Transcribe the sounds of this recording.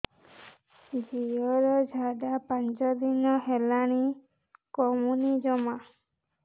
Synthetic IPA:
d͡ʒijɔɾɔd͡ʒʱaɖapant͡ʃɔd̪inɔɦelaɽ̃i | kɔmunid͡ʒɔma

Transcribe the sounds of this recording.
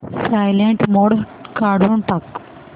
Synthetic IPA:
sajleɳʈmɔɽ | kaɽuɳʈak

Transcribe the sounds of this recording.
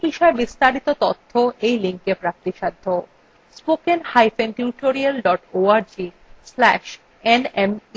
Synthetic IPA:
biʃɔebist̪aɾit̪ot̪ot̪ʰːoʔejliŋkepɾak̚t̪iʃad̪ʱːo | spokenhajfenʈjuʈoɾialɖɔʈoaɾd͡ʑi | slɛʃ | enem

